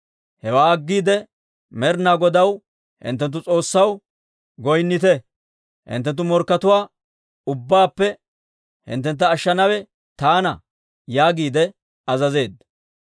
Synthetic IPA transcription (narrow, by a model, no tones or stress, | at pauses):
hɛwaːɐɡːiːd̪ɛ | mɛɾnaːɡɔd̪ɐw | hɪ̰nt̪ːɛnt̪̬ːʊt͡sʼo̞ːsːɐw | ɡɔjnːɪt̪ɛ | hɪ̰nt̪ːɛnt̪̬ːʊmɔɾkːɐt̪ʊwaː | ʊbːaːpːɛ | hɪ̰nt̪̬ːɛnt̪̬ːɐːʃːɐnɐwɛ | t̪aːnɐ | jaːɡiːd̪ɛ | ɐzɐze̞ːd̪ːɐ